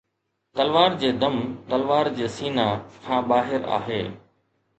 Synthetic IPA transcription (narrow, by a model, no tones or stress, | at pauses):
t̪ɐlʋaːɾd͡ʑeːd̪ɐmt̪ɐlʋaːɾd͡ʑeːsiːnakʰãːɓaːɦɪɾa̰ːɦeː